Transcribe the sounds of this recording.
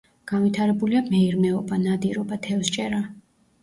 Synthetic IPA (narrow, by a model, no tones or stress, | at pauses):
ɡ̥anvit̪ʰaɾɛbuliamɛiɾmɛɔbanad̪iɾɔbat̪ʰɛfst͡ʃʼɛɾa